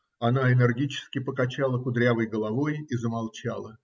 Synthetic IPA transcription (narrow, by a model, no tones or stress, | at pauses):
ɐnaɪnɪrɡʲit͡ɕɪ̥skʲɪpəkɐt͡ɕalˠəkʊd̪ɾʲavəjɡəlˠɐvo̞jizəmalˠt͡ɕalˠə